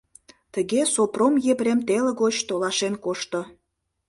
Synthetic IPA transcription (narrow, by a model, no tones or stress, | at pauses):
t̪əɣesopromjebɾemt̪eləɣot͡ɕt̪olɑʃenkoʃt̪o